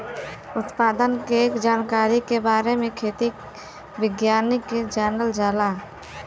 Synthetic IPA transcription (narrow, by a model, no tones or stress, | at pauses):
ʊt̪paːd̪ənkeeːkd͡ʒaːnkaːɾikebaːɾemẽkʰeːt̪i | bɪɡjaːniked͡ʒɛnəld͡ʒaːlaː